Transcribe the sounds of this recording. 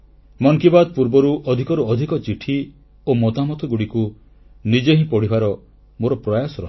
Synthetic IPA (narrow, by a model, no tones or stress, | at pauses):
mɔŋkibad̪̚puɾbɔɾuʔɔd̪ʱikɔɾuɔd̪ʱikɔt͡ʃiʈʰi | omɔt̪amɔt̪ɔɡuɽiku | nid͡ʒeɦĩpɔɽ̤ibʱaɾɔ | moɾɔpɾɔjasɔɾɔɦ